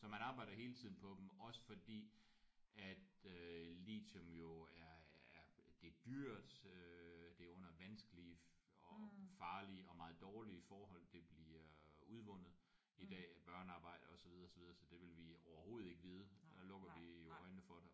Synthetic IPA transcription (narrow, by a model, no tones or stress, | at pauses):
sɒ̽mænɑ̈ːb̥ɑ̈ɪ̰d̥ɐɦe̝ːlət͡sʰiðˠn̩pʰɒ̽d̥em̩ɒ̽sə̥fɒ̽d̥ḭː | æd̥ølḭːdɔmjo̝æɐæɐd̥e̝d̥yɐ̰d̥ød̥e̝æɐɔ̽n̰ɐʋænsɡ̥əli | ɒfɑ̈ːliəɒ̽mɑ̈ːð̩ˠd̥ɒːliəfɒːɦɒ̽l̰d̥e̝b̥liɐuð̞ˠʋɔ̽n̰ð̞̩ˠ | id̥ɛ̰ːb̥ɶɐnəɑ̈ːb̥ɑ̈ɪ̰d̥əɒ̽sɒʋið̞ˠɐːsɒʋið̞ˠɐsɒ̽d̥e̝ʋe̝lʋiɒʊɐho̝ːð̩ˠe̝ɡ̥əʋiːð̞ˠd̥ælɔ̽ɡ̥ɐʋijo̝ɒɪnəfɒɾe